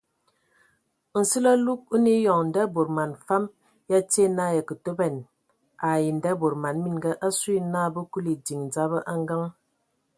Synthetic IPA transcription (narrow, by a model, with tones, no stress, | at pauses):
n̩˨si˦lə˦lu˦k̚u˦ni˦jɔ˨ŋ˨n̩˨da˦bo˨ɾma˨nfa˦m | ja˦te˦˨na˦˨jə˨kə˨to˦bɛ˨n | a˨ji˨n̩˨da˦bo˨ɾma˨nmi˦nɡə˦ʔa˦su˦i˦naː˦bə˦ku˦li˨di˨ŋn̩˨d͡za˦bə˦ʔa˦ŋ˦ɡa˦ŋ